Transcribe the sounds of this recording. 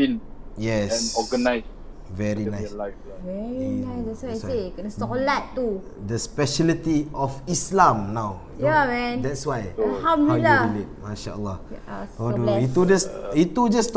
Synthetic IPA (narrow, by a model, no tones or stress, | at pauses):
filjɛsnɔɡənajs | vɛɹinãjs | vɛɹinãjsdɛtswajiekənəsɔkolat̪ːu | dəspɛʃɛlit̪iɔfislãmnaw | amɛ̃nd̪ɛtswajlhãmdlilːalit̚maʃa̰ə̰lːɔ̰hodoit̪ud͡ʒasit̪ud͡ʒast